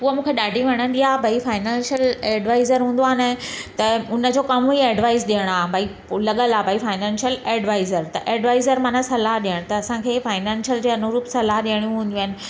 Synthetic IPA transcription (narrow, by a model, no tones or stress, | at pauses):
uɦəmũːkʰeɗaːɖʱĩʋɐɽ̃ə̃n̆d̪iabʱaifaːɪnãːnʃəleːɖʋaːɪzəɾɦũːn̆d̪oaːnẽt̪ɐʊnə̆d͡ʑokɐmieːɖʋaːɪzɗiəɽ̃aːbʱaːi | lɐɠəlaːbʱaifaːɪnɛ̃ːnʃəleːɖʋaːɪzəɾt̪ɐʔeːɖʋaːɪzəɾmãːnasɐlaɦɗiəɽ̃t̪ɐːsãkʰeːfaːɪnãːnʃjəld͡ʑeːɐnuɾuːpsɐlaɦɗiəɽ̃ijũɦũːn̆d̪uaːnɪ̆